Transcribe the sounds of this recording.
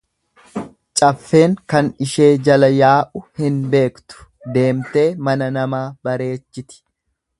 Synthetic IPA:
t͡ʃʼɐfːe̞ːŋkɐnɪʃe̞ːd͡ʒɐlɐjaːʔʊhɪnbe̞ːkt̪ʊ̥ | d̪e̞ːmt̪e̞ːmɐnɐnɐmaːbɐɾe̞ːt͡ʃːɪt̪ɪ̥

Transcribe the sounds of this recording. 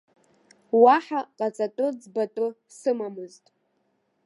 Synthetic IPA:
waħaqʼat͡sʼatʼɨd͡zbatʼʊ | sɨmamɨztʼ

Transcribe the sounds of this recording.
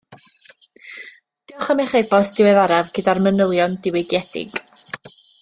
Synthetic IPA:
d̥ɪɔχəmɛχebɔsd̥ɪwɛðaɾavɡədarmənəlˠjɔndɪwɪɡjɛd̥ɪ̰ɡ̥

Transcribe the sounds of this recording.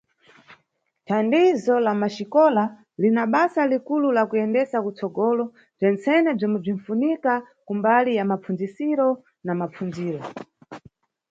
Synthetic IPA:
tʰandizɔlamaʃikɔla | linaɓasalikululakujɛndɛsakut͡sɔɡɔlɔ | b͡ʐɛnt͡sɛnɛb͡ʐimɛb͡ʐin̩funika | kumbalijamap͡fund͡zisiɾɔ | namap͡fund͡ziːɾɔ

